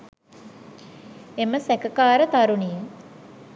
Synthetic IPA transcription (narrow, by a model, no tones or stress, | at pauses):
eməsækəkaːɾət̪aɾunijə